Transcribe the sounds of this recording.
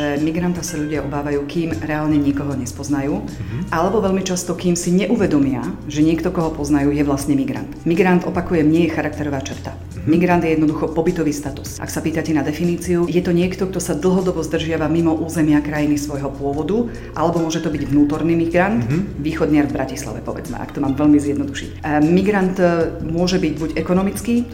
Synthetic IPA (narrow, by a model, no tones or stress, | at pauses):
ʒɛmiɡɾant̪ɔsaʎuɟɪaʔɔbaːʋajuːkiːmɾɛaːlɲɛɲikɔɦɔɲɛspɔznajuː | ʔalɛbɔʋɛʎmit͡ʃast̪ɔkiːmsiɲɛʔuʋɛd̪ɔmɪaʒɛɲɪɛkt̪ɔkɔɦɔpɔznajuːjɛʋlast̪ɲɛmiɡɾa̰nt̪miɡɾand̪ɔpakujɛmɲɛjɛxaɾak̚t̪ɛɾɔʋaːt͡ʃrt̪a | miɡɾand̪jɛjɛd̪nɔd̪uxɔpɔbit̪ɔʋiːst̪at̪u̥sʔa̰ksapiːt̪acɛnad̪ɛfiniːt͡siujɛt̪ɔɲɪɛkt̪ɔk̚t̪ɔsad̪l̩ˠɦɔd̪ɔbɔzd̪r̩ʒɪaʋamimɔʔuːzɛmɪakɾajinisʋɔjɦɔpʊɔʋɔd̪u | ʔalɛbɔmʊɔʒɛt̪ɔbiɟʋnuːt̪ɔɾniːmiɡɾant̪ʋiːxɔd̪ɲɪaɾvbɾacisla̰ʋɛ̰pɔʋɛ̰d͡zmɛ̰ʔa̰kt̪ɔmaːmʋɛʎmizjɛd̪nɔd̪uʃḭcmiɡɾand̪mʊɔʒɛbiɟbuɟɛkɔnɔmit͡skiː